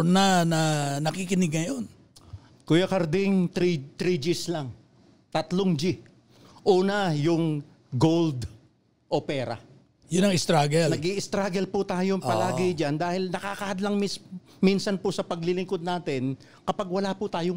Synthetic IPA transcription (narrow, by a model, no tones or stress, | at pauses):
nɐnɐnɐkikɪnɪɡ̚ŋɐjon | kʊjakɐɾd̪ɪŋt̪ɾit̪ɾid͡ʒislaŋ | t̪ɐt̪loŋd͡ʒi | ʔuːnɐjʊŋ | ɡold̪ | ʔo̞pɛːɾa̰ | jʊnɐŋɪst̪ɾaɡɛlnɐɡiʔɪst̪ɾaːɡɛlpʊt̪aːjopɐlaːɡɪd͡ʒand̪aːhɪlnɐkaːkɐhɐd̪lɐŋmis | minsɐnpʊsɐpɐɡlɪlɪŋkod̪̚naːt̪ɪn | kɐpaɡ̚wɐlapʊt̪aːjo